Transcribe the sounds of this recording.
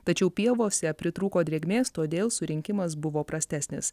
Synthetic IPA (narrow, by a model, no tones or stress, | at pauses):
t̪ɐt͡ʃʲɛʊpʲiɛʋoːsʲɛpʲɾʲɪt̪ɾuːkoːd̪ʲɾʲeːɡʲmʲeːst̪oːd̪ʲeːlˠsʊɾʲɪŋʲkʲɪmɐs̬bʊʋoːpɾɐsʲt̪ʲæːsʲnʲɪ̰s